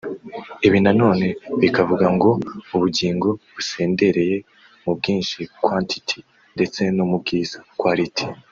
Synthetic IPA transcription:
iβinano̞ːne̞βikavuɡaŋɡo̞uβuɟiːŋɡo̞βuse̞ːnde̞ɾe̞je̞ | mub̚ɡiːnʃikwantʰi̥tʰi̥ | nde̞t͡se̞nomub̚ɡiːz̥ḁkwaːɾitʰi̥

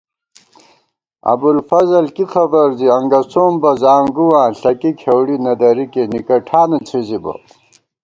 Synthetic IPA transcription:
ɐ̰bulfɐzɐlkixʰɐbɐɾziɐŋɡɐsoːmbɐzaːŋɡuwaːɬɐkikʰewɽinɐd̪ɐɾikenikɐʈʰaːnɐt͡sʰizibɐ̰

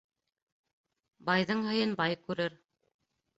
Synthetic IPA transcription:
bɑjðɤɴɦɤ̆jɤnbɑjkʉɾɘɾ

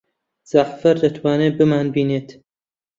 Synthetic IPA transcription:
z̥aχfɐɾd̪ɐt̪ʰwaːneːbɨmaːnbiːneːt̪

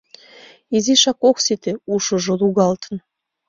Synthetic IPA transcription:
iziʃɑkoksit̪euʃə̆ʒŏluɣɑlt̪ə̥n

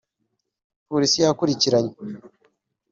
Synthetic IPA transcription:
poɾisijakuɾiciɾaɲe

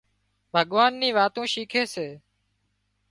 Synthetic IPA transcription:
bʱəɠʋaːnːiːʋaːt̪õːʃiːkʰeːseː

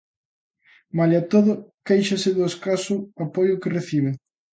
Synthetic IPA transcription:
malat̪oðʊkejʃɐsɪðʊeskasʊapojʊkereθiβ̞e

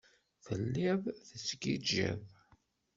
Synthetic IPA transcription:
θəlːivθəsɡid͡ʒæ̰v

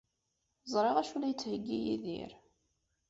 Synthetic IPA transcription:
zˤɾˤeʁæʃulæjət͡sːhəɡːijiðḭɾ

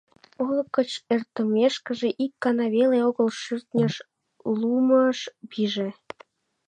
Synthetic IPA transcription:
olkːə̆t͡ɕert̪ə̆mʲeʃkə̆ʒeʔikːɑnɑβeleoɣəlʃyrt̪nʲə̆ʃ | luməʃbiʒe

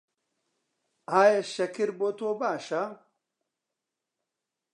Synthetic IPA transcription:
aːjɐʃɐkʰɨɾboːt̪ʰoːbaːʃɐ

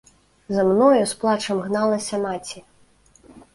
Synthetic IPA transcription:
zɐmnɔjusplˠat͡ʂɐmɣnalˠɐsʲɐmat͡sʲi

